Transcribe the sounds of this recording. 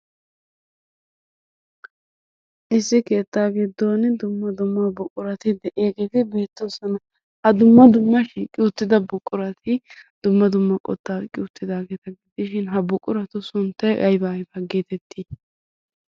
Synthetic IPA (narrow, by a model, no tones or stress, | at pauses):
ʔɪsːɪke̞ːt̪ːaːɡed̪oːnd̪ʊmːɐd̪ʊmːɐbʊkʼːʊɾɐt̪ɪd̪ɛʔeːɡeːt̪ɪbe̞ːt̪ːɔnsɐnɐ | hɐd̪ʊmːɐd̪ʊmːɐʃiːkʼːɪʊt̪ːɪd̪ɐbʊkʼːʊɾɐt̪ʰɪd̪̥ʊmːɐd̪ʊmːɐkʼɔ̰t̪ːaːkʼɪʊt̪ːɪd̪aːɡeːt̪ɐɡɪd̪ɪʃɪnɦɐbʊkʼːʊɾɐt̪ʊsʊnt̪ːɐjʔɐjbɐjbɐɡeːt̪ɛt̪ʰːi